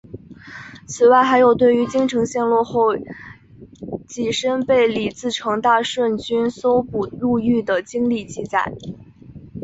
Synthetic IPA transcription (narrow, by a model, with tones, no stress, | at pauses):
t͡sʰɹ̩˨˩wa˥˩ɪxa˧˥ɪjo˨˩ʊt̪we˥˩ɪy˧˥t͡ɕi˥ŋʈ͡ʂʰɤ˧˥ŋɕjɛ˥˧nlwɔ˥˧xo˥˧ʊ | t͡ɕi˨˩ʂə˥npe˥˩ɪli˨˩t͡sɹ̩˥˩ʈ͡ʂʰɤ˧˥ŋt̪a˥˧ʂwə˥˩nt͡ɕy˥nso˥ʊpu˨˩lu˥˧y˥˩d̪ə˩t͡ɕi˥ŋli˥˧t͡ɕi˥˧t͡sa̰˥˩˦ɪ